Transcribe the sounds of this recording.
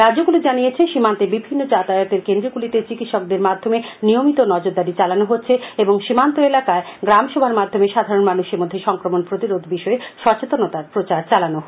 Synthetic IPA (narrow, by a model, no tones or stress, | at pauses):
ɾad͡ʑoɡulid͡ʑanijet͡ɕʰeʃimant̪ebibʱinːod͡ʑat̪ajot̪eɾkend̪ɾoɡulit̪et͡ɕikit̪ʃɔk̚d̪eɾmad̪ʱːomenijomit̪onɔd͡ʑoɾd̪aɾit͡ɕalanoɦotːɕʰeeboŋʃimant̪oelakaeɡɾamʃɔbʱaɾmad̪ʱːomeʃad̪ʱaɾonmanuʃeɾmod̪ʱːeʃɔŋkɾomonpɾot̪iɾod̪ʱbiʃɔeʃɔt͡ɕet̪onot̪aɾpɾot͡ɕaɾt͡ɕalanoo